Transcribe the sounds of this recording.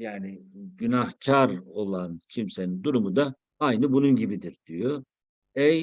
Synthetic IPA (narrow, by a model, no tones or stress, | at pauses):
jaːniɟynahcʰaɾo̞lˠancʰimse̞nind̪uɾumud̪a | ajnɯbununɟibid̪iɾd̪ijo | ɛj